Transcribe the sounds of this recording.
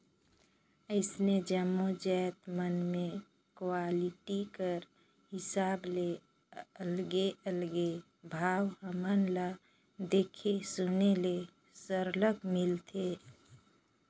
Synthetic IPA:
əɪsned͡ʒəmod͡ʒɛt̪mənmẽ | kwaliʈikəɾ | hɪsaːble | əlɡeʔəlɡe | bʱaːwɦəmənla | d̪eːkʰesunele | səɾləkmɪlt̪ʰe

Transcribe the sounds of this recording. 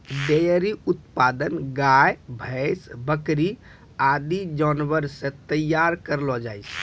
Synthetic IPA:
d̪ejəɾiut̪pad̪ənɡajbʱəjsbəkɾi | ad̪id͡ʒɔnʋəɾsẽt̪əjːaɾkəɾlɔd͡ʒajsʰ

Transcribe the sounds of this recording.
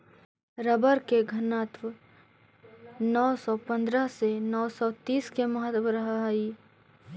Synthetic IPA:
ɾəbəɾkeɡʱənaːt̪ʋə | nɔːsɔpə̃nd̪ɾəɦsenɔːsɔt̪iːskeməɦət̪wəɾəɦai

